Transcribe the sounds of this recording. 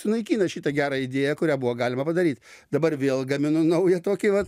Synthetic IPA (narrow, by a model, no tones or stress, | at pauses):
sʊnɐɪkʲiːnɐʃʲiːt̪ɐɡʲæːɾɑɪd̪ʲeːjɛkʊɾʲæːbʊʋoːɡɑːlʲɪmɐpɐd̪ɐɾʲiːt̪ʲd̪ɐbɐrʋʲeːlˠɡɐmʲɪnʊnɐʊjɛt̪oːkʲɪʋɐt̪